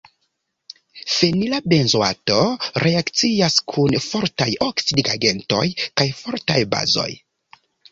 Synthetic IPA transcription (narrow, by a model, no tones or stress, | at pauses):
fenilabe̞nzoa̰to̞ɾe̞akt͡siaskʰunfo̞ɾtajoksidiɡaɡe̞nto̞̰jkajfo̞ɾtajba̰zo̞̰j